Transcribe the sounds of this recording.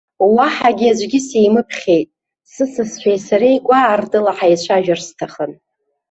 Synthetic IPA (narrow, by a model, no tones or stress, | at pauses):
waħaɡʲiad͡ʒʷɡʲɪsejmɨpʰχʲejtʼ | sɨsɨsħʷᶣejsaɾejkʷʼaːrdʼɨlaħajt͡ɕʷʰaʒᶣarstʰaχən